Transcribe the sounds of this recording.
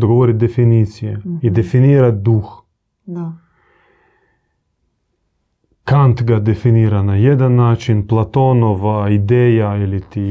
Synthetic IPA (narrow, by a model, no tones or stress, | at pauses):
d̪oɡoʋoɾit̪d̪ɛfiniːt̪sijɛid̪ɛfiniːɾat̪d̪uːx | kant̪ɡad̪ɛfiniːɾanajɛd̪anːaːt͡ʃinplˠat̪onɔʋaid̪ɛːjailit̪i